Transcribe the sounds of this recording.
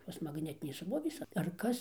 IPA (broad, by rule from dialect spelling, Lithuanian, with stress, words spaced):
ˈtoːs mɐɡˈnʲæːtʲɪnʲeːs ˈsroːʋʲeːs ɐr ˈkɐs